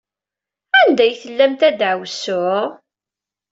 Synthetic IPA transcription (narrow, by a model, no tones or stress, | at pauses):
ænd̪æjθəlːæmt̪æd̪ʕəwsʊʕ